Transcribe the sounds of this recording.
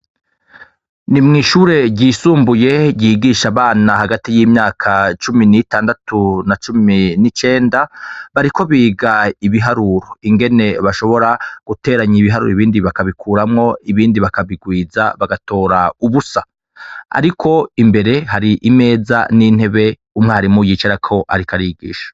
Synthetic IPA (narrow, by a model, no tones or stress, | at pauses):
nimŋiːʃuːɾe̞ɟiːsuːmbuje̞ɟiɡiːʃaβaːnahaɡatijiːmɲaːkʰat͡ʃuminitaːndatunat͡ʃuminit͡ʃe̞ːndaβaɾiko̞βiːɡaiβiɦaɾuɾoiŋɡe̞ne̞βaʃo̞βo̞ɾaɡ̥ute̞ːɾaɲiβiɦaɾṵɾiβiːndiβakaβikʰuːɾamŋo̞iβiːndiβakaβiɡwiːza̰βaɡato̞ːɾauβusa | a̰ɾikʰo̞imbe̞ɾe̞haɾiʔime̞ːza̰nin̥he̞βe̞ | umŋehaɾimujiːt͡ʃeɾakʰo̞ʔa̰ɾikʰaɾiɡḭːʃḁ